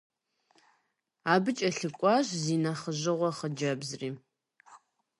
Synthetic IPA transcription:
aːbɨt͡ʃʼɐɬɨkʷʼɑːʒziːnaχəʑɪʁʷɔχəd͡ʒɐbzriː

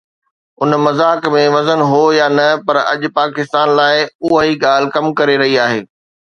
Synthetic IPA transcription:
ʊnmɐzaːkmẽʋɐzənɦojaːnɐpɐɾɐ̰ʄʊpaːkɪst̪aːnlaːɪʊɦəɦiɡaːl̤ɪ̆kɐmkɐɾeɾɐɦiaːɦeː

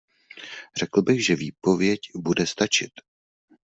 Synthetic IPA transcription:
rɛkl̩bɪxʒɛviːpo̞vjɛcbudɛst̪at͡ʃɪt̪

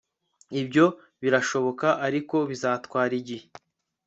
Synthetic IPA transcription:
ibɟo̞ | βiɾaʃo̞βo̞kaʔaɾiko̞βizaːtkwaːɾiɟihe

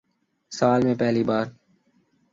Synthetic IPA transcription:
səaːlmẽːpɛɦliːbaːɾ

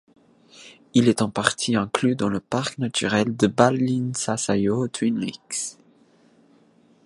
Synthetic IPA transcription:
ilɛt̪ɑ̃paʁt̪ʰiɛ̃klyd̪ɑ̃ləpaʁknat̪ʰy̰ʁɛld̪əbalinsasajot̪ʰwinlḭks

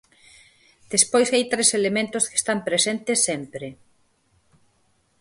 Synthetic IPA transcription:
d̪̥espojsajt̪ɾeselemẽnt̪ʊske̥st̪ampɾesent̪ɪsːempɾɪ

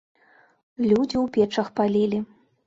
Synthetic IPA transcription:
lʲud͡zʲiwpʲɛt͡ʂɐxpalʲilʲi

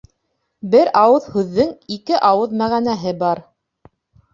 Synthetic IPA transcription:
bɘɾɑwɤðhʉðːɘŋikɘʔɑwɤðmæʁænæɦɘbɑɾ

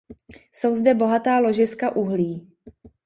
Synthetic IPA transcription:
so̞wzdɛbo̞ɦat̪aːlo̞ʒɪskaʔuɦliː

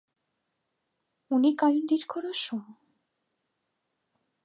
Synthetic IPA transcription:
unikajund̪iɾkʰoɾoʃum

